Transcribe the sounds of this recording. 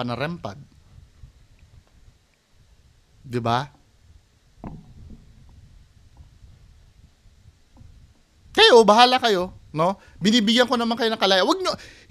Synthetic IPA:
ɐnɐɾɛmpɐ̰d̪̚ | d̪ɪba | kɐjobɐɦaːlɐkɐjo̞no̞ | bɪniːbɪɡɐŋko̞nɐmaŋkɐjo̞nɐŋkɐlaːjawɐɡ̚ɲo

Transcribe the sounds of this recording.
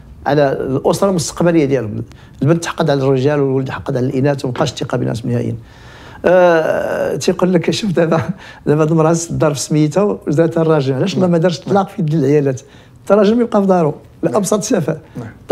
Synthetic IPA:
ʕlælʔosɾˤɑlmʊst̪ə̥qbæləjːad̪jælʊm | lbənd̪t̪ħɑ̥qːəd̪ʕlærːəʒælwəlwələd̪ħɑqːɑd̪ʕlælʔinæt̪wbqɑʃt̪ːiqɑbḭnʔæ̰t̪mihæ̰jḭn | t̪iqolːəkːæʃufd̪æbæ | d̪æbæd̪mɾˤɑsd̪ɑɾˤfəsməjət̪æzɾæt̪ːɑrˤːɑʒəmʕlæʃlːɑmæd̪ɑɾˤʃt̪t̪ˤlɑqfid̪ilʕjælæt̪ | t̪ːɑɾˤɑʒəmjəb̚qɑfd̪ˤɑɾˤu | læʔɑbsˤɑt̪ˤsæfæ

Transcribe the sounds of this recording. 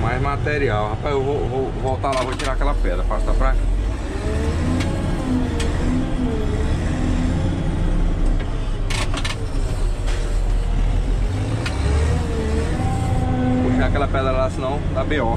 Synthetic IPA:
majzmat̪eɾiawhapajzewvovowvɔwt̪alavot͡ʃiɾaakɛlɐpɛd̪ɾɐpasapɾaka | puʃakɛlɐpɛd̪ɾɐlasĩnɐ̃w̃d̪apiɔ

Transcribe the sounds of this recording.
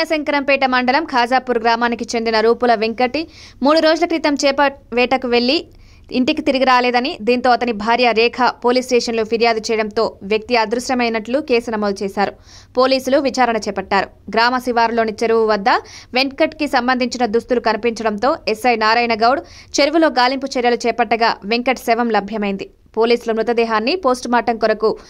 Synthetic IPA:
ɐsɐŋkɐɾɐmpɛːʈɐmɐɳɖɐlɐmkʰaːd͡ʒaːpuɾɡɾaːmaːnikit͡ʃe̞nd̪inɐɾuːpulɐʋeŋkɐʈːimuːɽuɾoːd͡ʒulɐkɾit̪ɐmt͡ʃɛːpɐʋɛːʈɐkuʋe̞ɭːiː | ɳʈikit̪iɾiɡiɾaːlɛːd̪ɐnid̪iːnt̪o̞ːɐt̪ɐnibʱaːɾjɐɾɛːkʰɐpo̞ːliːsʈɛːʂɐnloːpʰiɾjaːd̪ut͡ʃɛːjɐɽɐnt̪o̞ːʋjɐk̚t̪iɐd̪ɾuʃjɐmɐjnɐʈlukeːsunɐmoːd̪ɐt͡ʃɛːsaːɾu | po̞ːliːsuluʋit͡ʃaːɾɐɳɐt͡ʃɛːpɐʈːaːɾu | ɡɾaːmɐsiʋaːɾlo̞ːnit͡ʃeɾuʋuʋɐd̪ːɐʋeɳkɐʈkisɐmbɐnd̪ʱiɲt͡ʃinɐd̪ust̪ulukɐnipiɲt͡ʃɐɽɐnt̪o̞ːesɐjnaːɾaːjnɐɡɐwɽ | t͡ʃeɾuʋulo̞ːɡaːlimput͡ʃɛɾjɐlut͡ʃɛːpɐʈːɐɡaːʋeŋkɐʈsɛʋɐmlɐbʱjɐmɐjind̪i | po̞ːliːsulɐmɾut̪ɐd̪ɛːɦaːnːipo̞ːsʈmaːʈɐŋkɔɾɐku

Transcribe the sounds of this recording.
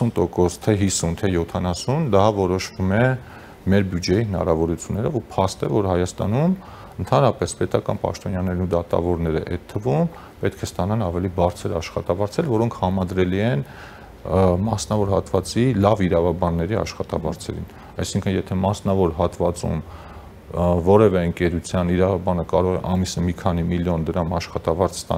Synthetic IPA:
unt̪ɔkɔst̪ʰɛɦisunt̪ʰɛjɔt̪ʰɑnɑsund̪ɑvɔɾɔʃvumɛ | mɛɾbjud͡ʒɛjiɦənɑ̰ɾɑvɔɾut͡sʰjunːɛɾɔvupʰɑst̪ɛvɔɾɦɑjɑst̪ɑ̰num | ənt̪ʰɑnɾɑpɛspɛt̪ɑkɑnpɑ̰ʃt̪ɔnjɑnɛɾnud̪ɑt̪ɑ̰vɔɾnɛɾə̰ʔɛt̪ʰːəvum | pɛt̪̚kʰɛst̪ɑnɑnɑvɛlibɑɾt͡sʰəɾɑʃχɑt̪ɑvɑɾt͡sʰɛlvɔɾɔŋkʰhɑmɑd̪ɾɛliɛn | mɑsnɑvɔɾɦɑt̪vɑt͡silɑviɾɑvɑbɑnːɛɾiɑ̰ʃχɑt̪ɑvɑ̰ɾt͡sʰɛ̰ɾḭn | ɑjsiŋkʰənjɛt̪ʰɛmɑsnɑvɔɾɦɑt̪vɑt͡sṵm | vɔɾɛvɛəŋkɛɾut͡sʰjɑniɾɑvɑbɑnəkɑɾɔʁɛʔɑmisəmikʰɑnimiljɔnd̪əɾɑmɑʃχɑt̪ɑvɑɾt͡sʰst̪ɑ̰

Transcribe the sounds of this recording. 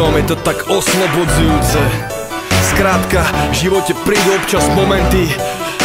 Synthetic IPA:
ɔmjɛt̪ɔt̪aɡɔslˠɔbɔd͡zujuːt͡sɛ | skɾaːt̪kavʒiʋɔcɛpɾiːd̪uɔpt͡ʃazmɔmɛnt̪i

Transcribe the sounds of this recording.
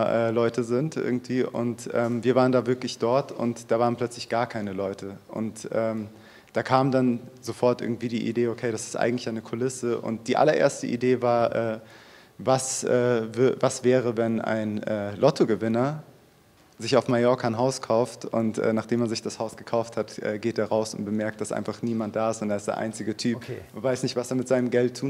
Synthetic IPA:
ɐʔɛːlɔʏtəzɪntʔɪ̰ɐɡŋ̩tv̥iːʔʊ̰ntʔɛːmviːɐvaːʁəndaːvɪɐklɪçd̥ɔɐtʊ̰ntd̥aːvaːʁənplœt͡slɪçɡ̥aːɐkʰaɪnəlɔʏtʰəʔʊ̰ntʔɛːm | d̥aːkʰaːmdanzofɔɐtʔɪ̰ɐɡŋ̩tv̥iːdiːʔḭdeːokʰeɪɾasɪ̥stʔa̰ɪŋ̩tlɪçaɪnəkʰolɪsəʔʊ̰nt̚d̥iːʔa̰lɐʔḛːɐstəʔḭdeːvaːɐʔɛː | vasʔɛːvʏvasv̥ɛːʁəvɛna̰ɪnʔɛːlʔɔtʰoɡəvɪnɐ | zɪçaʊfmajɔɐkʰanɦaʊskʰaʊftʊntʔɛ̰ːnaːχd̥eːmaɐnzɪçd̥ashaʊsɡ̥əkʰaʊfthatʔɛ̰ːɡeːteːɐʁaʊsʊ̰ntb̥əmɛɐk̚td̥asʔa̰ɪnfaχniːmant̚d̥aːɪstʊntd̥aːɪstd̥eːɐʔa̰ɪnt͡sɪɡətʰyːpnvaɪsnɪçtv̥aseːɐmɪtz̥aɪnəmɡɛltʰːuːn

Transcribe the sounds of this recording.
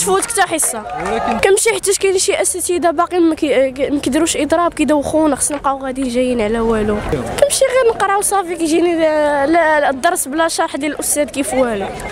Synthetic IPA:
t̪fut̪kt̪æħəsˤːɑkæmʃiħat̪ːæʃkænʃiʔæsæt̪id̪æbɑqimækmækəd̪ɾuʃʔəd̪ˤɾˤɑb̚kid̪æwxunxɑ̥snəqɑɣæd̪iʒæjːənʕlæwælukæmʃiɣiɾnəqɾˤʕwsˤɑfikiʒinild̪ˤːɑɾˤsˤblæʃɑɾˤħd̪jælʔʊst̪æd̪̚kifwælu

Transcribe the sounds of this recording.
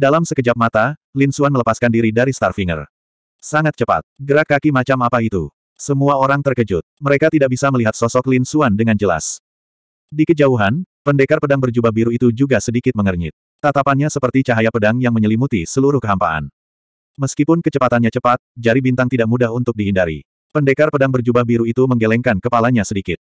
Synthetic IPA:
dalamsəkəd͡ʒap̚mat̪alinsuanmələpaskandiɾidaɾist̪arfiŋə̰r | saŋat̪̚t͡ʃəpa̰t̪̚ɡəɾakːakimat͡ʃamapait̪u | səmuaoɾaŋt̪ərkəd͡ʒʊt̪̚məɾekat̪idaʔ̚bisaməliɦat̪̚sɔsɔklinsuandəŋand͡ʒəla̰s | dikəd͡ʒauɦanpəndekarpədaŋbərd͡ʒubahbiɾuit̪ud͡ʒuɡasədikɪt̪̚məŋərɲɪ̰t̪̚ːat̪apanɲasəpərt̪it͡ʃaɦajapədaŋjaŋməɲəlimut̪isəluɾʊhkəɦampaʔa̰n | məskipʊnkət͡ʃəpat̪anɲat͡ʃəpat̪̚d͡ʒaɾibint̪aŋt̪idaʔ̚mudaɦunt̪ʊk̚diɦindaɾḭ | pəndekarpədaŋbərd͡ʒubahbiɾuit̪uməŋɡelɛŋkankəpalaɲasədikɪt̪̚

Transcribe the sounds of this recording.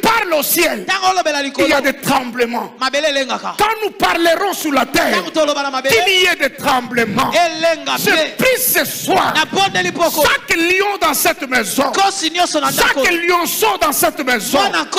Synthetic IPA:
paʁlosjɛltãŋɡolobelalikiljad̪et̪χɑ̃bləmɑ̰̃mabeleleŋɡakakɑ̃nupaʁleʁɔ̃syʁlat̪ɛ̃ːʁŋutolobanamabekiliɛd̪et̪χɑ̃bləmɑ̰̃eleŋɡasepʁiseswa̰nabɔndelipɔkoakliɔ̃d̪ɑ̃sɛt̪mɛzɔ̃kosinjɔ̃sɔnasdãkkljɔ̃sɔ̃d̪ɑ̃sɛt̪mɛzɔ̃nak

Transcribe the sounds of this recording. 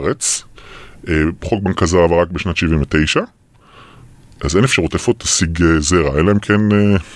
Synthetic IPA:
ʁet͡s | ebχolk̚bankazaʁavaʁak̚beʃnat̪ʃivinvet̪ejʃa | ʔazenefʃaʁutefot̪asiɡezeʁaenlaemkʰene

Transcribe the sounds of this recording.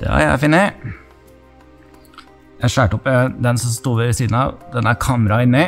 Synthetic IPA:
ɑ̰ːjæ̰æ̰fɪnːə | jæɪʂæːʈəɔpːɛd̪ɛnsɔst̪uːʋəsiːd̪n̩ɑ̰ʋd̪ɛnæɾkʰɑːməɾɑɪnːe

